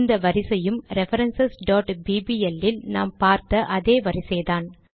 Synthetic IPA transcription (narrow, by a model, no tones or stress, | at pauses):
nd̪ɐʋɐɾɪsɐjɯmɾɛfɐɾɛnsɐsɖoːʈbiːbiɛlːɪlna̰ːmpaːɾt̪ɐʔɐðeːʋɐɾɪsɛjðaːn